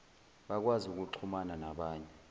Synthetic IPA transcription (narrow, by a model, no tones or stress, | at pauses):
ɓak̬wazuk̬ʼuǁʰumananaɓaːɲɛ